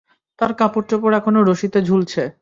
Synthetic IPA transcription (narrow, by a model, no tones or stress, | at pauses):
t̪aɾkapoʈt͡ɕop̬oɾɛkʰonoɾoʃit̪ed͡ʑʱult͡ɕʰe